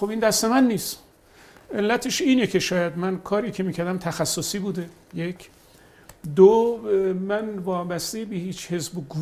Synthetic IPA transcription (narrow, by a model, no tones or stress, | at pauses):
xobiːnd̪æst̪e̞mænːiːst̪ | elːæt̪ʰeʃiːne̞kʰe̞ʃɒːjæd̪mænkʰɒːɾiːcʰemiːkʰcʰæɾd̪æmt̪ʰæxæsːosiːbuːd̪e̞ | jecʰ | d̪o | mænvɒːbæst̪ebehiːt͡ʃʰhe̞zboɡu